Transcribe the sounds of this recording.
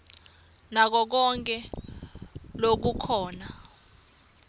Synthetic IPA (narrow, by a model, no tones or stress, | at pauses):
nak̬ɔk̬ɔŋkʼɛ | lok̬ukʰɔːna